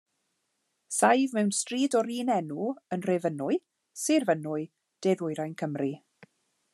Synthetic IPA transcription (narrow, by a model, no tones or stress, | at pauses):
sajvmɛwnstriːdɔɾiːnɛnuənrevənʊɨ | sɪrvənʊɨ | d̥eːðʊjɾajnkʰəmri